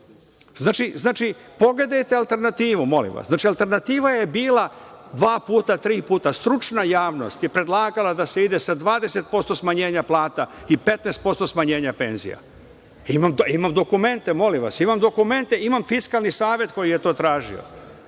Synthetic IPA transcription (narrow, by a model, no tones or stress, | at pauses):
znaːt͡ʃiznaːt͡ʃipo̞ɡle̞d̪ajt̪e̞alˠt̪e̞ɾnat̪iːʋumo̞lḭmʋa̰saːt͡ʃialˠt̪e̞ɾnat̪iːʋaje̞biːlad̪ʋaːpuːt̪at̪ɾiːpuːt̪ast̪ɾut͡ʃnajaːʋno̞̰st̪jepɾe̞d̪lˠaːɡalˠad̪aseid̪e̞sad̪ʋaːd̪e̞se̞t̪̚po̞st̪o̞smaɲe̞ːɲaplˠaːt̪aipe̞t̪neːst̪̚po̞st̪o̞smaɲe̞ːɲape̞nzḭja̰ | imamimamd̪o̞kume̞nt̪emo̞limʋa̰simamd̪o̞kume̞nt̪eimamfiskalˠnisaːʋje̞t̪ko̞jije̞t̪o̞ːt̪ɾaːʒḭo̰